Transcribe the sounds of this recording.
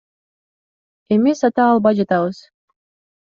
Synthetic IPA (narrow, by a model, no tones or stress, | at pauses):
emesat̪ɑːlˠbɑjd͡ʒɑt̪ɑβɯz̥